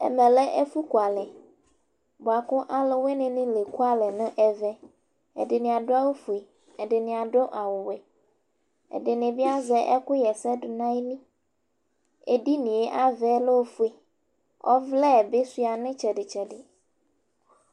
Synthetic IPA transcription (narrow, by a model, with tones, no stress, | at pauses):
ɛ̰˨mɛ̃˨lɛ˦ʔe˦fu˦ku˨a˨lɛ˨ | bo˨a˨kʊ˦ʔa˦lɪ˨we˦nɪ̃˨nɪ̃˦le˨ku˦a˦lɛ˨nʊ̃˦ʔɛ˨vɛ˦ | ɛ̰˨dɪ˨nɪ̃˨a˨dʊ˦a˦wo˦fu˨e˨ | ɛ˨dɪ˨nɪ̃˨a˨ɖo˦ʔa˨wʊ˨wɛ˨ | ḛ˨dɪ˨nɪ̃˨bi˦a˦zɛ˦ʔɛ˦kʊ˦jɛ˨sɛ˦dʊ˨nã˦e˦nĩ˦ | ḛ˨di˦nĩ˨e˦ʔa˦vɛ˦lo˦wo˦fu˦e˨ | ɔ̰˦vlɛ˦˨be˦si˦a˨nɪ̃˦t͡ʃɛ˨dɪ˨t͡ʃɛ˨dɪ˨